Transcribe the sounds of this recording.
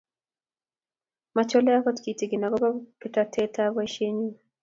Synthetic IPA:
mat͡ʃɔ˦lɛ˦a˦kɔ˦tki˨ti˨ɡɪ˨na˨ɡɔ˦ba˦kɪ˦ta˨tʰɛ˦ta˦ɡwa˦ʃe˦ɲi˦

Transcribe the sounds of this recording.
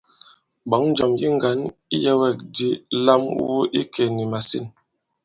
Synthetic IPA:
bɔ˨˦ŋn˦d͡ʒɔ˨mji˦ŋ˦ɡa˨˦ni˦jɛ˦wɛ˦˨k̚di˦la˦m˦wu˦ʔi˦kʰɛ˨ni˨ma˨sḭ˦˨n

